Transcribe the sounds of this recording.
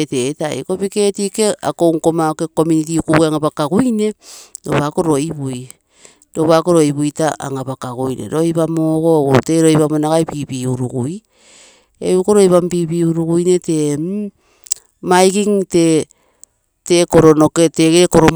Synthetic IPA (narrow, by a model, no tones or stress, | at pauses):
tetaḭko̞pike̞tikea̰koŋko̞maoke̞ko̞munit̬iukuɡuaŋabakaɡujne̞do̞βako̞ɾo̞iβuj | do̞βakoɾo̞iβujtaʔa̰ŋabakaɡujnḛɾojβamoɡo̞te̞ɾojβamonaɡajpibiuɾuɡuj | eukoɾojβambiːbiuɾuɡujne̞te̞m | majkiŋte | tekoɾo̞noketeɡekoɾom